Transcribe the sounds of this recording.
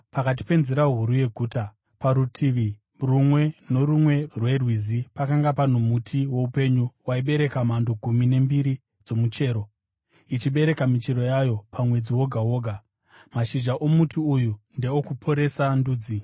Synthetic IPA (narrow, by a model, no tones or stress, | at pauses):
pakat̬i̥pe̞nzeɾaɦuɾuje̞ɡʱuːta | paɾutʰiʋi | rumwe̞no̞rumwe̞rwe̞rwizipakaŋɡapan̤omutʰiwo̞upe̞ɲuwaiɓe̞ɾe̞kamando̞ɡʱumine̞mbiɾi | d͡zo̞mut͡ʃe̞ːɾo̞ | it͡ʃiɓe̞ɾe̞kamit͡ʃeɾo̞jajo̞pʰamwe̞d͡ziwo̞ɡʱaɦo̞ːɡʱa | maʃiʒaʔo̞mutʰiujunde̞okupʰo̞ɾe̞sanduːd͡zi